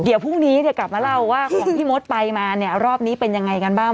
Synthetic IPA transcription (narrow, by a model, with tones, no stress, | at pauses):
di˨˩˦wpʰu˥˩ŋniː˦˥ni˥˩kla˨˩p̚maː˧la˥˩wːaː˥˩kʰɔ˩˦ŋʰiː˥˩mo˦˥t̪̚pa˧jmaː˧ni˥˩ɐɾɔː˥˩p̚niː˦˥pe˧nja˧ŋːa˧jka˧nbaː˥˩ŋ